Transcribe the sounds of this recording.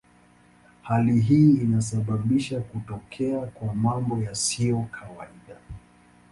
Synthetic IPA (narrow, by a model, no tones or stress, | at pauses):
haliɦiːinas̬aɓaɓiʃakutɔkʰɛakwamambɔjasiɔkʰawaiɗa